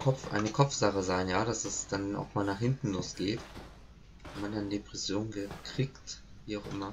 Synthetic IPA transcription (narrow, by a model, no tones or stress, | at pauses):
kʰɔfʔa̰ɪnəkʰɔp͡fz̥aχəzaɪnjaːdasdasd̥ana̰ʊxmaːlnaːχhɪntn̩lʊːsɡ̥eːt | vɛmandanədepʁ̥ɛsjoːnɡəkʁ̥iːkt | viːaʊxʔɪ̰mɐ